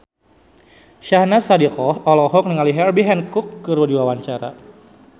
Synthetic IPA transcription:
ʃahnasadikɔhɔlɔɦɔk̚nəŋaliɦɛrbiɦɛnkukːəɾudiwawaɲt͡ʃaɾa̰

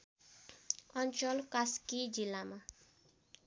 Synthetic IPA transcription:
ʌnt͡ʃʌlkaskid͡zilːama

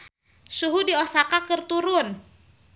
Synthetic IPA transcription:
suɦudiɔsakakərt̪uɾʊn

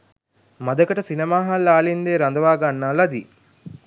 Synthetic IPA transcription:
mɐd̪ɐkəʈəsinemaːɦalːaːlind̪eːɾɐnd̪ɐʋaːɡanːaːlɐd̪i

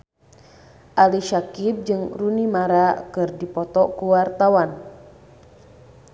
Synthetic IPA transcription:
ʔaliʃakip̚d͡ʒɨŋrunimaɾakɨrdipɔt̪ɔkuwart̪awan

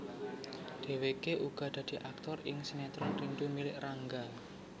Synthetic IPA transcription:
d̥e̤wekeʔuɡ̥ɔ̤d̪̥ä̤d̪̥i̤ʔak̚t̪ɔrɪŋsinɛt̪ɾɔnrinɖumilɪʔraŋɡal

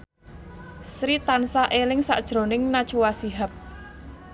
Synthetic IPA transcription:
sɾit̪ansaʔelɪŋsa̰ʔd̥ʒ̥ɾo̤nɪŋnad̥t͡ʃuwasiɦap̚

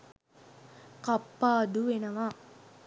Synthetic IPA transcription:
kapːaːd̪uʋenəʋa

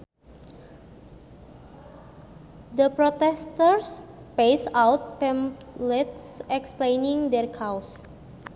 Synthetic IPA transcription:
d̪əpɾɔt̪ɛst̪ərspejsawt̪̚pɛ̃mlɛt̪sɛksplejniŋd̪ɛrkʰaws

